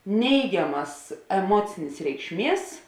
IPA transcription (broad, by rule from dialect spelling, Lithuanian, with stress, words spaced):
ˈnʲɛɪɡʲɛmɐs ɛˈmuɔt͡sʲɪnʲeːs rʲɛɪkʃʲˈmʲiɛs